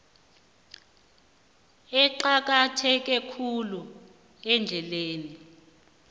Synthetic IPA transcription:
ɛǃak̬ʼatʰɛk̬ʼɛkʰulu | ɛnd͡ɮʱɛleːni

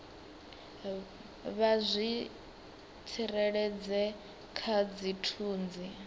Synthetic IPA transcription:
βazʷi | t͡sʰiɾɛɺɛd͡zɛ | kʰad͡zitʰuːnd͡zi

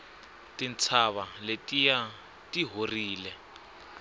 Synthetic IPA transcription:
tʼint͡sʰaβaletʼija | tiɦoriːlɛ

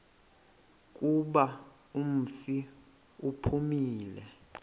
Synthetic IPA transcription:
k̬ʼuɓa | um̩fi | upʰumiːlɛ

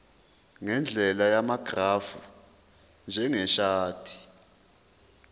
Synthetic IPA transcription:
ŋɛnd͡ɮʱɛlajamaɡ̥ʱrafu | nd͡ʒʱɛŋɛʃaːtʰi̥

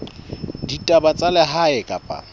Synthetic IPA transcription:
ditʼabat͡sʼalɛɦaɪkʼapʼa̰

